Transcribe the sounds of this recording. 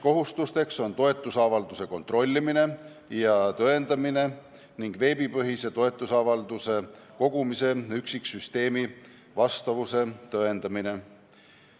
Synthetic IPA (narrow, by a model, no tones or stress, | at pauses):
ko̞ɦust̪ust̪e̞kso̞nt̪o̞e̞t̪ːˑusɑvɑld̪use̞ko̞nt̪ˑro̞lʲːimine̞ | jɑt̪øend̪ɑmine̞ | niŋɡ̥ve̞ːbipɤɦise̞t̪o̞e̞t̪ˑːusɑvɑld̪use̞ | ko̞ɡ̥umise̞yksiksyst̪e̞ːmi | vɑst̪ɑvuse̞t̪øe̞nd̪ɑmine̞